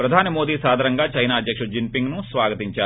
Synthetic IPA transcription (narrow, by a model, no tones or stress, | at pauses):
pɾɐd̪ʱaːnimoːd̪iːsaːd̪ʱɐɾɐŋɡaːt͡ʃɐjnaːɐd̪ʱjɐkʂɐd͡ʒimpiŋɡnusʋaːɡɐt̪iɲt͡ʃaːu